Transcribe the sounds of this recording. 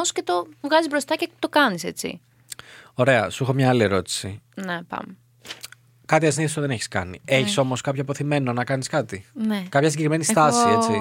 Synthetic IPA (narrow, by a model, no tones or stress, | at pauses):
osce̞t̪o̞vɣɐzizbɾost̪ɐcet̪o̞kɐnise̞t͡sḭ | o̞ɾe̞ɐsuixomɲɐːlie̞ɾo̞t̪i̥sinepɐ̰me | kɐt̪iɐsniθist̪oðe̞neçi̥skɐ̰nḭe̞çiso̞mo̞skɐpçopo̞θime̞nonɐkɐniskɐt̪inekɐpçɐsiɟe̞kɾimenist̪ɐsiet͡si